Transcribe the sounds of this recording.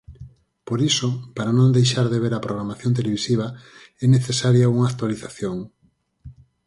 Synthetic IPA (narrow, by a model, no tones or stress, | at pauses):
poɾisopaɾanõnd̪ejʃaɾðeβeɾɐpɾoɣɾamaθjõnt̪̬eleβisiβ̞ɐ | ɛneθesaɾjauŋaːk̚t̪waliθaθjoŋ